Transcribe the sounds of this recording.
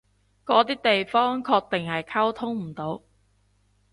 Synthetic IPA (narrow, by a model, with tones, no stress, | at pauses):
kɔː˨˥t̪iː˥t̪e˨jfɔː˥ŋkʰɔː˧k̚t̪e˨ŋhɐ˨jkʰɐ˥wt̪ʰʊ˥ŋm̩˨˩t̪o˨˧˥w